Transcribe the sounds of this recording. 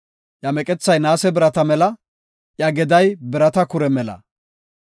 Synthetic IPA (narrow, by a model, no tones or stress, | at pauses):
ʔjɐmɛkʼɛt͡sːɐjnaːsɛbɪɾɐt̪ɐmɛlɐ | ʔjɐɡɛd̪ɐjbɪɾɐt̪ɐkʊɾɛmɛlɐ̰